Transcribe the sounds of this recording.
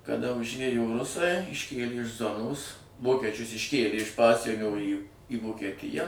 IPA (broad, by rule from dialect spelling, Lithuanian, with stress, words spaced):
kɐˈdɐ ʊʒʲˈeːjoː ˈrʊsɐɪ ɪʃʲˈkʲeːlʲɪ ɪʃ ˈzoːnoːs ˈʋoːkʲɛt͡ʃʲʊs ɪʃʲˈkʲeːlʲeː ɪʃ ˈpɑːsʲiɛnʲoː iː iː ʋoːkʲɛˈtʲɪjɛ